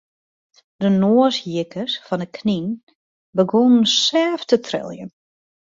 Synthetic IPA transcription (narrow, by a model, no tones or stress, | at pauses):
d̥ənoəsjɪkʰəsfɔndəkʰnin | bəɡonən̩sɛːftətʰrɪ̰lˠjə̰n